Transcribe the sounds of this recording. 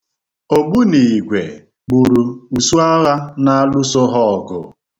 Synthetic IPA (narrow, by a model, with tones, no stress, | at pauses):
o˨ɡ͡bu˦ni˨ɡʷe˨ | k͡pu˨ɾu˨u˨su˦a˦la˦na˦a˦lʊ˦sʊ˦ɦɔ˦˨ɡʊ̰˨